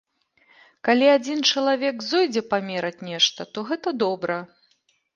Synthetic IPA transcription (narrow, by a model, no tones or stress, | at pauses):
kalʲiad͡zʲint͡ʂɐlˠavʲɛkzɔjd͡zʲɛpamʲɛɾɐt͡sʲnʲɛʂt̪ɐt̪ɔɣɛt̪ɐd̪ɔbɾɐ